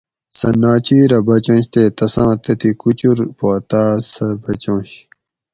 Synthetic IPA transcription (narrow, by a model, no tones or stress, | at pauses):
sɐnaːt͡ɕiːɾɐbɐt͡ɕõːɕt̪eːt̪ɐsãːt̪ɐt̪ikut͡ɕuɾpoːt̪aːsɐbɐt͡ɕõːɕ